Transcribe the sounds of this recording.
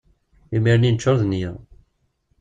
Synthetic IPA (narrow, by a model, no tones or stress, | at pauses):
imiɾninət͡ʃːoɾðni